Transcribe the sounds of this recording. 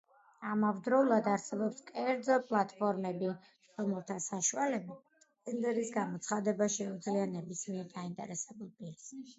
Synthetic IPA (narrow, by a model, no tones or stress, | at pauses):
amavd̪ɾɔulˠad̪aɾsɛbɔpskʼɛɾd̪zɔpʼlˠat̪ʼpʰɔɾmɛbi | ɾɔmɛlˠt̪ʰasaʃualɛbi | ɛnd̪ɛɾisɡamɔt̪sʰχad̪ɛbaʃɛud̪zlianɛbismiɛɾd̪aint̪ʼɛ̰ɾɛsɛbulˠpʼiɾs